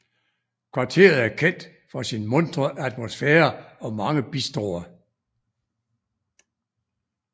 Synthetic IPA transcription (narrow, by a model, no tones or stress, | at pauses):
kʰʋɑ̈t͡sʰe̝̰ːɐð̞̩ˠæɐkʰen̰d̥ | fɒ̽sinmɔ̽nd̥ʁɐʔæd̥mosfeːɐɒ̽mɑ̈ŋəb̥isd̥ʁo̰ːɐ